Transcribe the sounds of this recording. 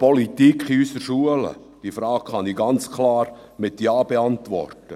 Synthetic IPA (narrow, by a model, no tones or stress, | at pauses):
pɔlitikχiysəɾʃuələ̰ | d̥ifɾɑːkχɑniɡɑnt͡skʰlɑːɾ | mɪt̪jɑːb̥eɑntʋɔ̰rtə